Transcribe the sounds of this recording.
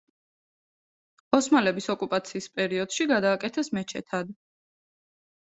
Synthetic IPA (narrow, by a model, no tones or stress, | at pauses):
ɔsmalɛbisɔkʼupʼat̪sʰiːspʼɛɾiɔd̪̥ʃiɡad̪aːkʼɛt̪ʰɛsmɛt͡ʃʰɛ̰t̪ʰad̪